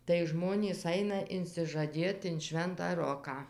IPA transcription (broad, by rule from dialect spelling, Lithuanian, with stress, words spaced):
tɐɪ ˈʒmoːnʲiːs ˈɐɪnɐ ɪnʲsʲɪʒɐˈdʲeːt ɪn ˈʃʲʋʲɛntɑː ˈroːkɑː